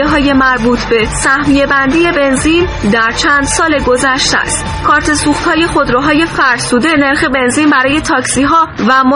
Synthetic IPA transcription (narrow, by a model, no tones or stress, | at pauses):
eɦɒːje̞mæɾbuːt̪ʰbe̞sæhmijebænd̪ije̞be̞nzind̪æɾt͡ʃʰænd̪̥sɒːle̞ɡo̞zæʃt̪æ̰st̪ | kʰɒːɾt̪ʰe̞suːxt̪hɒːje̞xo̞d̪ɾoɦɒːje̞fæɾsuːd̪e̞ne̞ɾxe̞be̞nziːnbæɾɒːje̞t̪ʰɒːcsiɦɒːvæmo